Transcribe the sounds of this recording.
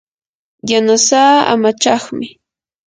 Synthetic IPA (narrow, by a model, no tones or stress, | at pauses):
janasaːa̰mat͡ʃɑχmɪ